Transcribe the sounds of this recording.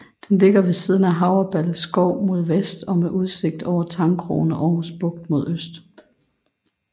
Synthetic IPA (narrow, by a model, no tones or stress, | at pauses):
d̥enle̝ɡ̥ɐʋe̝siːð̞ˠən̩æɦɑ̈ʊɐb̥ælsɡ̥ɒʊ̰mo̝ð̞ˠʋesd̥ɒ̽meʔuð̞ˠse̝ɡ̥̚d̥ɒʊ̰ɐt͡sʰɑ̈ŋkʰʁo̝̰ːnəʔɒʊɦusb̥ɔ̽ɡ̥̚d̥mo̝ð̞ˠøsd̥